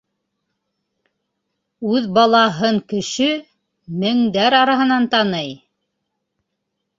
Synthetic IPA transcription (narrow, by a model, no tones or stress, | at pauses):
ʉðbɑlˠɑɦɤɴkɘ̆ʃɘ | mɘ̆ŋd̪æɾɑɾɑɦɤ̆nɑnt̪ɑnɤj